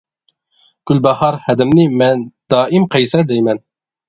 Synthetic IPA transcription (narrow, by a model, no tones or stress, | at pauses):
ɡ̥ʲylbɛhɑɾhɛd̪ɪmnɪmɛnd̪̥ɑːʔimqʰɛjsæɾd̪ɛjmɛn